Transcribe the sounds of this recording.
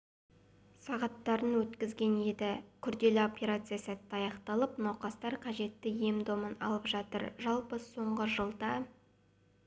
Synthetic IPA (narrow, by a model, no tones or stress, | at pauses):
sɑʁɑt̪ːɑɾənwɵt̪kʲɪzɡʲe̞nje̞d̪ɪkʲʰʏɾd̪e̞lɪo̞pʲe̞ɾat̪sɨjasæt̪ːɪɑjɑqt̪ɑlˠəpnɑwqɑst̪ɑɾqʰɑʒe̞t̪ːɪjemd̪o̞mənɑ̰lˠəpʒɑt̪ə̰ɾʒɑlˠpəso̞ɴʁəʒəlˠd̪ɑ